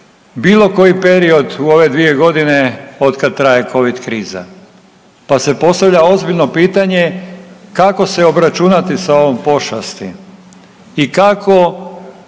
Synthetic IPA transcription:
biːlˠo̞ko̞jipe̞ɾio̞d̪uo̞ʋe̞d̪ʋije̞ɡo̞d̪ine̞o̞d̪kad̪̚t̪ɾajekʰo̞ʋid̪kɾiːza̰ | pase̞po̞st̪aʋʎao̞zbiʎno̞piːt̪aɲe̞kako̞seo̞bɾat͡ʃunat̪isao̞ʋompo̞ʃast̪ḭ | ikakʰo̞

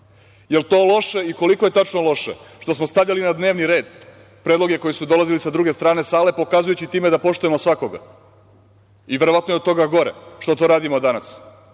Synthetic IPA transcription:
jelt̪o̞ːlˠo̞ʃe̞iko̞likojet̪at͡ʃnolˠo̞ʃḛʃt̪o̞smo̞st̪aʋʎalinad̪ne̞ːʋniɾe̞ːd̪ | pɾeːd̪lo̞ɡeko̞jisud̪o̞lˠazilisad̪ɾuːɡe̞st̪ɾaːnesaːle̞po̞kazujut͡ɕit̪iːme̞d̪apo̞ʃt̪ujemo̞sʋakoɡa̰ | iʋʲeɾoat̪nojod̪̚t̪o̞ɡaɡo̞ɾḛʃt̪ot̪o̞ːɾaːd̪imod̪anas

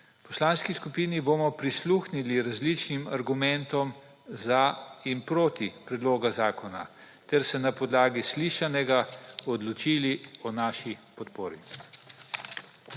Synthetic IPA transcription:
pɔslaːnskiskupiːniboːmɔpɾisluxniliɾazlit͡ʃnimaɾɡumɛnt̪ɔm | zainpɾoːt̪ipɾɛd̪loːɡazaːkʰɔna̰ | t̪ɛɾsɛnapɔd̪laːɡisliːʃanɛɡaɔd̪lɔt͡ʃiːliɔnaːʃipɔt̪poːɾi

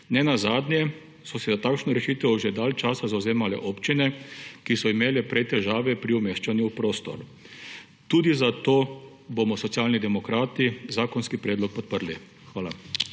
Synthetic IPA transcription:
nɛnazaːd̪nʲjɛ | sɔsɛzat̪aːkʃnɔɾɛʃiːt̪ɛwʒɛd̪aːlt͡ʃaːsazawzeːmalɛ̰ʔoːpt͡ʃinɛkisɔimeːlɛpɾɛjt̪ɛʒaːʋɛpɾiumeːʃt͡ʃanjuwpɾoːst̪ɔ̰ɾ | t̪uːd̪izat̪oː | bomɔsɔt̪sjaːlnid̪ɛmɔkɾaːt̪izaːkɔnskipɾɛːd̪lɔk̚pɔt̪̚pəɾli | xʋaːla̰

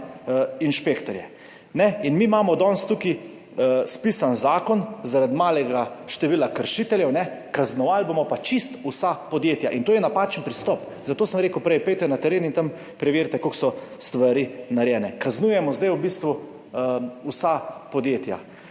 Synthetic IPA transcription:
inʃpekt̪ɔɾjɛ̰ | nɛinmimaːmɔd̪ɔːnst̪uki | spiːsanzaːkɔnzaɾad̪maːlɛɡaʃt̪ɛʋiːlakəɾʃiːt̪ɛljɛwnɛkaznɔʋalbomɔpat͡ʃist̪usapɔd̪jeːt̪jaʔint̪oːjɛnapaːt͡ʃənpɾist̪ɔp | zat̪oːsəmɾeːkəwpɾɛjpɛjt̪ɛnat̪ɛɾeːnint̪ɐm | pɾɛʋeːɾt̪ɛkoksɔst̪ʋaɾiːnaɾjɛːnɛkaznuːjɛmɔzd̪ajwbiːst̪ʋu | usapɔd̪jeːt̪ja̰

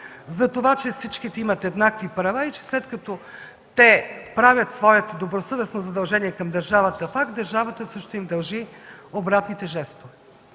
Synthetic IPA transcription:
zɐt̪ovat͡ʃɛfsit͡ʃkit̪ɛimɐt̪ɛd̪nakvipɾɐvait͡ʃɛ̥slɛt̪kɐt̪ɔ | t̪ɛpɾavʲət̪svɔjət̪d̪obɾosɤvɛsnozɐd̪ɐlˠʒɛniɛkɐmd̪ɐɾʒavət̪əfak̚t̪̚d̪ɐɾʒavət̪əsɤʃt̪oimd̪ɐlˠʒiobɾat̪nit̪ɛʒɛst̪o

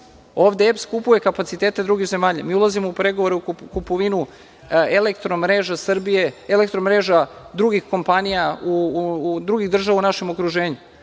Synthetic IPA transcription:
o̞ːʋd̪eepskupuje̞kapat̪sit̪eːt̪ed̪ɾuɡiɣze̞maːʎamiːulˠazimo̞upɾe̞ɡoʋo̞ɾeukkupoʋinu | elek̚t̪ɾo̞mɾeːʒasr̩bije̞ele̞k̚t̪ɾomɾeːʒad̪ɾuɡixko̞mpanijaud̪ɾuɡiɣd̪r̩ʒaʋaunaʃe̞mo̞kɾuʒe̞ːɲu

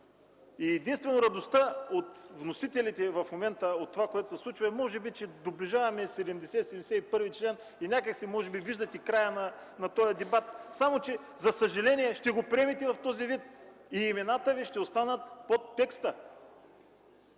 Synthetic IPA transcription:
iɛd̪inst̪vɛnoɾɐd̪ost̪aot̪vnosit̪ɛlit̪ɛvɐfmomɛnt̪əot̪ːovakoɛt̪o̥sɛslˠut͡ʃvɐɛmɔʒɛbit͡ʃɛd̪obliʒavɐmɛsɛd̪ɛmd̪ɛsɛsɛmd̪ɛsɛipɤɾvit͡ʃlɛn | inʲakəksimɔʒɛbiviʒd̪ɐt̪ɛkɾajənɐ | nɐt̪ɔjɐd̪ɛbat̪samot͡ʃɛ | zɐsəʒɐlɛniɛʃt̪ɛɡopɾiɛmit̪ɛvɐft̪ɔzivit̪iːmɛnat̪əviʃt̪ɛost̪anət̪pot̪ːɛkst̪ə

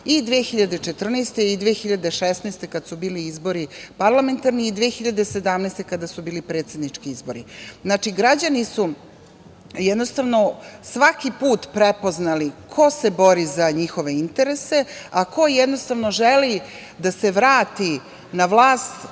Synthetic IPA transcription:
id̪ʋexiʎad̪e̞t͡ʂe̞t̪r̩nest̪eid̪ʋeːxiʎad̪e̞ʃesnejst̪e̞kad̪subiːliizbo̞ɾipaɾlame̞nt̪aɾniːd̪ʋeːxiʎad̪ese̞d̪amnejst̪e̞kad̪asubiːlipɾe̞ːt̪se̞d̪nit͡ʂkiizbo̞ɾiznat͡ʃiɡɾad͡ʑanisu | jɛd̪nost̪aʋnosʋakipuːt̪pɾepo̞znalikʰo̞seboɾizaɲixo̞ʋe̞int̪eɾe̞se̞akʰo̞jɛd̪no̞st̪aʋnoʒeli | d̪ase̞ʋɾaːt̪i | naʋlˠaːst̪

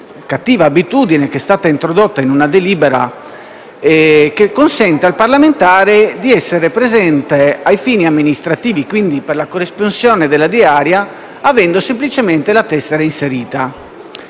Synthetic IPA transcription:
kat̪ːiːvaːbit̪uːd̪inekeɛst̪aːt̪aint̪ɾod̪ot̪ːainunad̪eliːbeɾa̰ | ɛkekːonsɛnt̪ealparlament̪aːɾed̪iɛsːeɾepɾezɛnt̪eajfiːniamːinist̪ɾat̪iːvikwind̪iperlakorːisponsjɔːned̪elːad̪iaːɾjaː | vɛnd̪osemplit͡ʃement̪elat̪ɛseɾainseɾiːt̪a

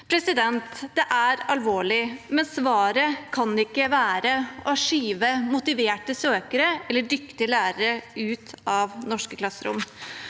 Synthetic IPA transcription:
pʰɾɛsɪd̪ɛnt̪d̪̥ɛʔæɾɑlʋoːɭɪmɛnsʋɑːɾəkʰɑnɪkːəʋæːɾəɔʂiːʋəmʊt̪ɪʋeːʈəsøːkəɾəɛlːəɖʏkt̪ɪəlæːɾəɾəʉːt̪ɑʋnɔʂkəklɑsːəɾʊ̰m

